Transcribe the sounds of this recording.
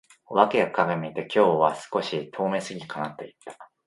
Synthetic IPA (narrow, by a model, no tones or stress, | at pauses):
βake̞ɡakaɡemʲiːt̪e̞kʲo̞ːβasɨ̥ko̞ɕit̪ʰo̞ːme̞sɨɡʲikanat̪ːo̞it̪ːḁ